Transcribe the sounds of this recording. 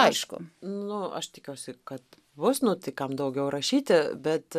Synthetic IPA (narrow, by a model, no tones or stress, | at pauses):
ɐɪʃkʊ̰nʊɐ̰ʃt̪ʲɪkʲuɔʊsʲɪkɐt̪ | bʊsnʊt̪ɐɪkɐmd̪ɐʊɡʲɛʊɾɐʃʲiːt̪ʲɪbʲɛt̪